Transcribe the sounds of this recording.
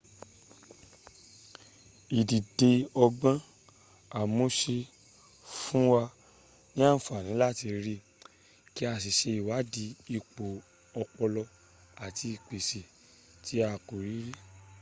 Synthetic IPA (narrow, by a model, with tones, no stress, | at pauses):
i˨di˨de˧ɔ˧ɡ͡bã˦ | a˨mo˨˦ʃe˧ | fũ˦wa˧ | nĩ˦a˦n̩˨fa˨nĩ˨˦la˦˨ti˧ɾi˦ | ki˦a˧˨s̬i˨ʃe˧i˨wa˨˦di˨˦i˧k͡po˨ | ɔ˧k͡pɔ˧lɔ˧ | a˨ti˧i˨k͡pe˨si˨ | ti˨˦a˧˨ko˨ɾi˨˦ɾi˦